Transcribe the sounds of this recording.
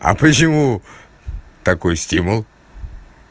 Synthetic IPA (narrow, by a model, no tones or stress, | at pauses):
ɐ̰pət͡ɕɪmu | t̪ɐkojsʲtʲimʊlˠ